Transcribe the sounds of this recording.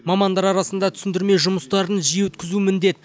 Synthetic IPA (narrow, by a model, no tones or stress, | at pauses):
mɑmɑnd̪ɑɾɑɾɑsənd̪ɑt̪ʰʏ̥sɪnd̪ɪɾme̞jʒʊməst̪ɑɾənʒijewʏt̪kʲɪzumɪnd̪e̞t̪̚